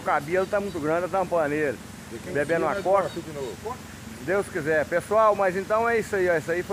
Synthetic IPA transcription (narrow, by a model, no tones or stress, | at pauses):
kabelʊt̪amũj̃t̪ʊɡɾɐ̃d̪ɛt̪anũplɐneɾɐ̃ | bebẽnʊ̃akɔɾid͡ʒinovɔ | d̪ewskizɛɾpesuawmɐzẽnt̪ɐ̃w̃ɛisɐiɔisɐifo